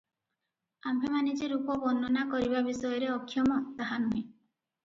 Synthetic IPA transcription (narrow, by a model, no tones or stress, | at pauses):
ambʱemanid͡ʒeɾupɔbɔnɔnakɔɾibabisɔjɔɾeɔkʰːjɔmɔt̪aɦanuɦẽ